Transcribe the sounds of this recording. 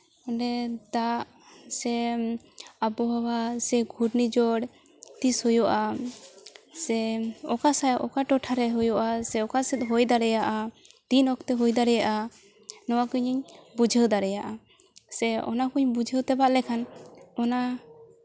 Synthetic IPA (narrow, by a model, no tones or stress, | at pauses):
ɔɖɛd̪aʔ | sɛ | abɔɦawasɛɡʱuɾnid͡ʒɔɽ | t̪ishɔjɔʔa | sɛɔkasaʔɔkaʈɔʈʰaɾɛɦujɔʔasɛɔkasɛt̪̚ˀɦɔjd̪aɾɛjaʔa | t̪inɔkt̪ɛɦɔjd̪aɾɛjaʔa | nɔwakuɲiɲbud͡ʒʱəwd̪aɾɛjaʔa | sɛɔ̰nakuɲbud͡ʒʱəwt̪ɛbaʔlɛkʰanɔna